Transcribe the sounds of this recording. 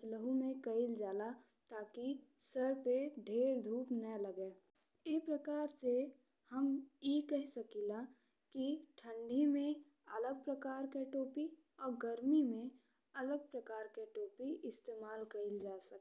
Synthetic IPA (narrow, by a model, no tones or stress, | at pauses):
t͡ʃləɦũmẽkəɪld͡ʒaːla | t̪aːkisəɾpeɖʱeːɾd̪ʱuːpnələɡeː | epɾəkaːɾse | həmjekɛɦsəkila | kiʈʰə̃ɳɖʱimẽ | ɐləɡ̚pɾəkaːɾkeʈoːpi | ɔːɾɡəɾmimẽ | ɐləɡ̚pɾəkaːɾkeʈoːpiʔɪst̪eːmaːlkɐɪld͡ʒaːsək